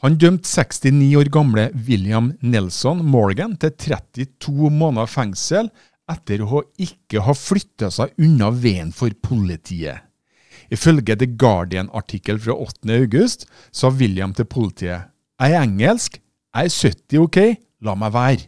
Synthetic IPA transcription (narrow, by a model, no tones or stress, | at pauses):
hɑnd̪œmt̪sɛkst̪ɪniːoːɾɡɑmɽəʋɪljɑmnɪlsɔnmɔɹɡənt̪ʰɪlt̪ʰɾɛt̪ɪt̪ʰuːmoːnɑfæŋsəl | ɛt̪ːəɾoɔɪkːəɦɑːfɽʏt̪ːɑsæɪʔʉnɑʋeːənfɔɾpʰʊlɪt̪ʰiːə̰ | ɪfœlɡəd̪ɛɡɑ̰ːɖɪənɑ̰ʈʰɪkːəlfɾɑ̰ːʔɔt̪ːənəɑʉɡʉst̪ | sɑːʋɪljɑmt̪ʰɪlpʰʊlɪt̪ʰiːə | æɪæŋəlsk | ʔæɪsœt̪ɪʊkʰeɪ | lɑːmæɪʋæːɾ